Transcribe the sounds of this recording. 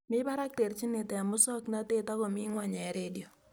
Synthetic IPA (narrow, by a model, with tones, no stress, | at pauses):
mɪ˦ba˦ɾa˦k̚te˨rt͡ʃi˦nɪ˨tɛ˨a˨mʊ˦sɔ˦kna˦te˦ta˦kɔ˨mɪ˦ŋwa˨ɲɛ˨˦ɾedi˨o˨